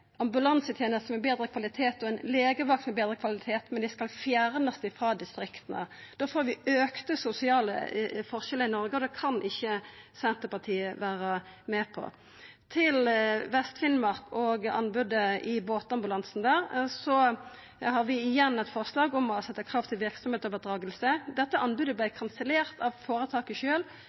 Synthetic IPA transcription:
ɑmbʉlɑnsət̪ʰjeːnəst̪əmɛbeːd̪ɾəkʰʋɑlɪt̪ʰeːt̪ɔɛnleːɡəʋɑk̚t̪mɛbeːd̪ɾəkʰʋɑlɪt̪ʰeːt̪mɛnd̪ɪskɑlfjæɾnəsd̪æfʁɑːd̪ɪst̪ɾɪkt̪ənə̰d̪̥oːfoːɾʋɪøːkt̪əsʊsɪɑːlə̰fɔʁʃɛləɪnɔɾɡəɔd̪ɛkʰɑnʔɪçːəsɛnt̪əpɑt̪ʰiːəʋæːɾə | mɛːpʰɔ̰ | t̪ʰɪlʋɛst̪fɪnmɑʁkɔɡɑ̰nbʉd̪əɪboːt̪ɑmbʉlɑnsn̩d̪æːʁsɔ | hɑʁʋɪɪjɛnːɛt̪fɔʁslɑːɡɔmɔsɛt̪ːəkʰʁɑːʋt̪ʰɪlʋɪɾksɔmheːt̪ɔʋəʁd̪ʁɑːɡəlsəd̪ɛt̪ːəʔɑnbʉd̪əblæɪkʰɑnsəleːʁt̪ɑʋfoːɾət̪ʰɑːkəʃøːl

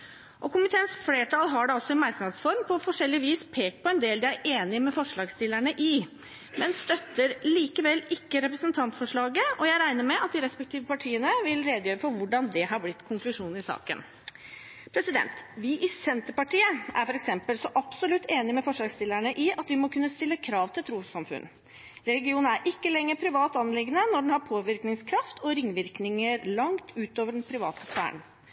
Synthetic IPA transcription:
ʔɔkʰʊmɪt̪ʰeːənsfleːʈʰɑlɦɑɖɛɔsːɔɪnmɑɾknɑd̪sfɔɾmpʰɔfɔʂɛlːɪʋiːspʰeːkpʰɔɛnd̪eːld̪ɪæɾʔeːnɪmɛfɔʂɭɑːɡst̪ɪlːəɳəʔɪ | mɛnst̪œt̪ːəɾliːkəʋɛlːɪkːəɾɛpɾəsənt̪ʰɑnt̪fɔʂɭɑːɡəɔjæɪɾæɪnəɾmɛʔɑt̪̚d̪ɪɾɛspɛkt̪ʰiːʋəpɑʈʰiːənəʋɪlɾeːd̪əjøːɾəfɔɾʋʊɖɑnd̪ɛɦɑɾblɪt̪ːkʰʊŋklʉʂuːn̩ɪsɑ̰ːkə̰n | pʰɾɛsɪd̪ɛ̰nt̪ʋɪʔɪsɛnt̪əɾpɑʈʰiːəʔæ̰ɾfɔɾɛksɛmpəlsɔʔɑbsɔlʉt̪ːeːnɪmɛfɔʂlɑːɡst̪ɪlːæɳəʔɪʔɑt̪ʋɪmɔkʰʉnːəst̪ɪlːəkʰɾɑːʋt̪ʰɪlt̪ʰɾuːsɑmfʉ̰n | ɾɛlɡɪuːnæɾʔɪkːəlɛŋːəɾpʰɾɪʋɑːt̪ɑnːəlɪɡənənɔɖɛnhɑɾpʰoːʋɪɾknɪŋskʰɾɑft̪ʰɔɾɪŋːʋɪɾknɪŋəɾlɑŋt̪ʰʉːt̪oːʋəɖɛnpʰɾɪʋɑ̰ːt̪əsʋæ̰ːə̰ɳ

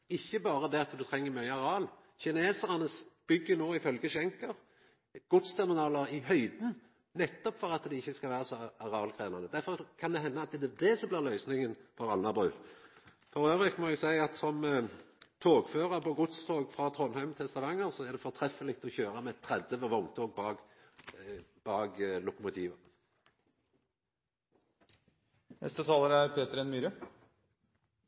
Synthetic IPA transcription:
ɪçːəbɑːɾəd̪ɛɑt̪d̪ʉt̪ʰɾɛŋːəɾmœʏəɑɾɑːl | çɪneːsəʁɑnəsb̥ʏɡːənoːɪfœlɡəʃɛŋkəʁ | ɡ̥ʊt̪st̪ʰæɾmɪnɑːləɾɪɦœʏd̪n̩ | nɛt̪ːɔpfɔɾɑt̪d̪ɛɪçːəskɑʋæːɾəsɔɑʁɑːlkʰʁeːnɑnəd̪æɾfɔɾkʰɑnd̪ɛɦɛnːɑɑt̪d̪ɛd̪ɛd̪ɛsɔmblɪːʁlœʏsnɪŋənfɔɾɑlɑbʁʉ̰ː | fɔɾøːʋɾɪkmɔɛɡsæɪɑt̪sɔm | t̪ʰoːɡføːʁəɾpʰɔɡʊt̪st̪ʰoːɡfʁɑːt̪ʰʁɔnhæɪmt̪ʰɪɛst̪ɑʋɑŋːəʁsɔæʁd̪ɛfɔɾt̪ʰʁɛfəlɪk̚t̪ɔçøːɾɑmɛt̪ʰːʁɛd̪ːəʋɔʋɔŋt̪ʰoːɡ̚bɑɡ | b̥ɑːɡlʊkʊmʊt̪ʰiːʋə | nɛ̰st̪ət̪ʰɑːləɾæɾpʰeːt̪əɾɛnmyːɾə

